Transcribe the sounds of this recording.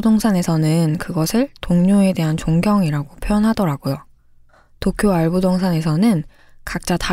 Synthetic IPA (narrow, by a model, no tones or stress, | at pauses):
doŋsʰane̞sʰʌnɯnkɯɡʌsʰɯɭtoŋɲoe̞de̞ɦant͡ɕoŋɡjʌŋiɾaɡopʰjoʌnɦadʌɾaɡojo | tokʰjoaɭbudʌŋsʰane̞sʰʌnɯn | kak̚t͡ɕ͈ata